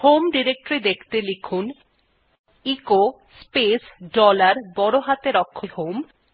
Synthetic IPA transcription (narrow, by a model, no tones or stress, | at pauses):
homɖiɾek̚ʈɾid̪ekʰt̪elikʰun | iko | spesɖɔlaɾbɔɽoɦat̪eɾɔkʰːohom